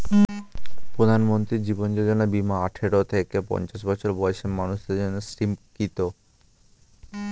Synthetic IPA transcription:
pɾod̪ʱanmont̪ɾiɾd͡ʑibond͡ʑod͡ʑonabimaaʈʰeɾot̪ʰekepɔ̰nt͡ɕaʃbɔt͡ɕʰoɾbɔeʃemanuʃd̪eɾd͡ʑonːesɾimkit̪o

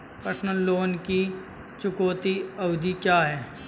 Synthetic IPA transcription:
pəʈʰnəlːoːnki | t͡ʃʊkoːt̪iɐwd̪ʱikjaːɦɛː

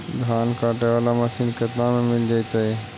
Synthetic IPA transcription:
d̪ʱaːnkaːʈeʋaːlamasiːnkət̪nãmẽmɪld͡ʒaːit̪aɦe

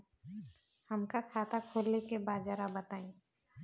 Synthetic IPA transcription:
həmkakʰaːt̪ʰakʰoːlːekebaːd͡ʒaːɾabət̪aːĩː

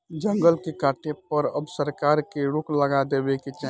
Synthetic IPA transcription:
d͡ʒə̃ŋɡəlkekaːʈʰepəɾəbsəɾkaːɾkeɾʊkləɡad̪eːbeket͡ʃa

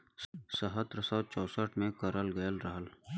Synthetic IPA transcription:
səɦət̪ɾəsəːt͡ʃɔːsəʈʰmẽkəɾəlɡəjəlɾɐɦəl

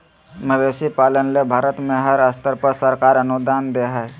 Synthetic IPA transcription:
məd̪eːsipaːlənlebʱaːɾət̪mẽɦəɾəst̪əɾpəɾsəɾkaːɾənʊd̪aːnd̪eɦɛ

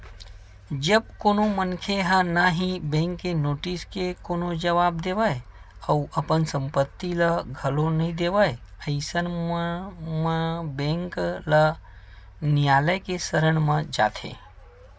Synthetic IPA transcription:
d͡ʒəb̚koːnomənkʰeɦənaɦĩbẽːŋkːenoːʈiskekoːnod͡ʒəʋaːb̚d̪eːʋəeəuʔəpənsə̃mpət̪ːiləɡʱəlonɐɦĩd̪eːʋəjəɪsənmməbẽːŋklə | nɪjaːləjkesəɾəɽ̃mə̃d͡ʒa̰ːt̪ʰḛ̃ː

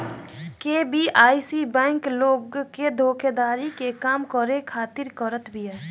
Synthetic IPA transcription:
kebiʔaːisibɛ̃ːŋkloːɡked̪ʱoːkʰed̪aːɾikekaːmkɔɾekʰaːt̪ɪɾkəɾət̪bʱiɛː

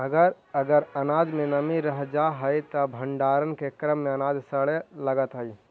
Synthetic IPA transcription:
ɐɡəɾ | ɐɡəɾɐnaːd̪mẽnɐmiɾɐɦd͡ʒaːɦəit̪ɐbʱə̃ɳɖaːɾənkekɾəmːẽɐnaːd̪sɐɭelɐɡət̪ɦɐi

